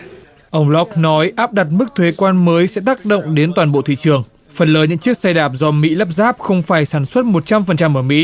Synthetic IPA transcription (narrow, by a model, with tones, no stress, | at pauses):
ʔə˧wŋ͡mlɔ˦˥k̚nɔ˨˦jʔaː˦˥p̚ɗa˨˩t̚mɨ˦˥k̚t̪ʰwe˨˦kwaː˧nməː˨˦jsɛ̰˧˥t̪aː˦˥k̚ɗə̰˧˨wŋ͡mɗe˨˦nt̪waː˨˩nɓo̰˧˨t̪ʰḭ˧˨t͡ɕɨ˨˩əŋ | fə˨˩nləː˨˦ɲɨ̰˧˥ŋt͡ɕɨ˦˥ək̚sa˧jɗaː˨˩p̚zɔ˧mḭ˧˥lə˦˥p̚zaː˦˥p̚xə˧wŋ͡mfaː˧˩jsaː˧˩nswə˦˥t̚mo˨˩t̚t͡ɕa˧mfə˨˩nt͡ɕa˧mʔəː˧˩mḭ˧˥